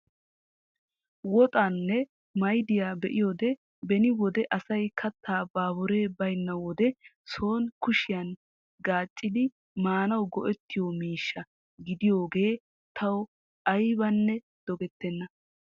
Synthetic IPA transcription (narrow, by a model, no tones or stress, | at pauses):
wɔt̪ʼanːɛ | mɐjd̪ɪjaːbɛʔɪjo̞ːd̪ɛ | bɛnɪwɔd̪ɛʔɐsɐjkʰɐt̪ʰːaːbaːbɔɾe̞ːbɐjnːɐwɔd̪ɛ | so̞ːnkʊʃɪjɐn | ɡaːt͡ʃʼːɪd̪ɪ | maːnɐwɡɔʔɛt̪ːɪjomiːʃːɐ | ɡɪd̪ɪjo̞ːɡe̞ː | t̪ʰɐw | ʔɐjbɐnːɛ | d̪̥ɔɡɛt̪ːɛnːɐ